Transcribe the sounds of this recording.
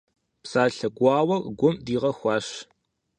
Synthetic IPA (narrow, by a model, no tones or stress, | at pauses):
psaːɬɐɡʷɑːwɐrɡʷʊmdiːʁɐxʷɑːɕ